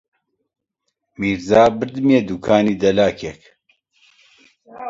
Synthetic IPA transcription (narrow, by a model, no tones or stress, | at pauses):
miːɾzaːbɨɾd̪ɨmjeːd̪ukʰaːniːd̪ɛlaːkʰɛk